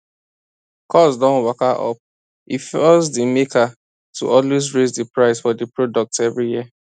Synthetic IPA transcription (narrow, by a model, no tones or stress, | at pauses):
kʰɔsdɔ̃nwɔkaʔɔ̰p̚ | ifɔzdimekʰa | tṵʔɔlwesɹezdəpɹaɪsfɔdəpɹodɔk̚tɛvɹijiə